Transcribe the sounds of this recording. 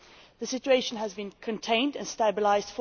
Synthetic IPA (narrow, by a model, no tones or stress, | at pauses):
ðəsɪt͡ʃueɪʃə̃nəzbĩnkʰɨ̃ntʰẽɪ̃ndɨ̰̃nstæbɪlaɪzd̥f